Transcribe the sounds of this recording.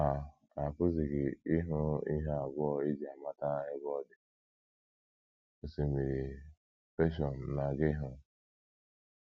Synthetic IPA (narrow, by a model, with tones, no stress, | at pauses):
a˨ | a˨kʊ˦zi˨ɡɪ˨i˦ɦʊ˦i˦ɦe˦a˨ɡʷɔ˦e˦d͡ʒi˨a˨ma˦ta˦e˦ɡɔ˦dɪ˨ | o˨se˨me˨ɾi˨ | fe˦ʃ̬ɔ˨n˨na˨ɡɪ˦ɦʊ˦